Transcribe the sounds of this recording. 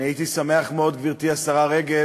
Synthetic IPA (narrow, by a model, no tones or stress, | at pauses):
ait̪isame̞aχmeo̞d̪ɡviʁt̪iasaʁaʁe̞ɡe